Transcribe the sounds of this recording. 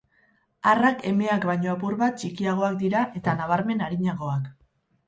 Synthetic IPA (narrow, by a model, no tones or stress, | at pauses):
arake̞me̞akbajɲo̞apuɾβat̪̚t͡ʃikiaɣ̞o̞akd̪iɾaʔe̞t̪anaβaɾme̞naɾiɲaɣo̞ak